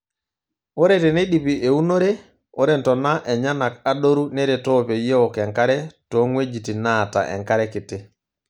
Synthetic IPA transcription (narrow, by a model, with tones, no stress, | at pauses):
o˦ɾɛtɛ˨ne˦ɗi˨pi˨ʔe˨u˦no˦ɾe˦ | o˦ɾɛ˨ntɔ˨na˦ʔɛ˨ɲa˦na˨ka˦ɗo˦ɾu˦nɛ˦ɾe˨tɔ˦pe˨je˦ɔ˨kɛ˨ŋka˦ɾɛ˦tɔ˨˦ŋwe˦d͡ʒi˨ti˨na˨ta̰˨ʔɛ̰˨ŋka˦ɾɛ˦kɪ˨tɪ˦